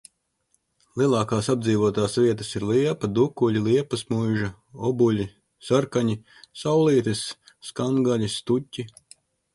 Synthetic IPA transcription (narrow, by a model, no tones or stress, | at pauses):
lˠiɛlˠɑːkaːsabd̪ziːʋuɔt̪aːsvʲiɛt̪ɐsiɾliɛpɐd̪ukuʎʲiliɛpɐsmujʒɐ | ɔbulʲi | saɾkaɲi | sawlˠiːt̪ɨsː | kaŋɡaʎʲist̪utʲːi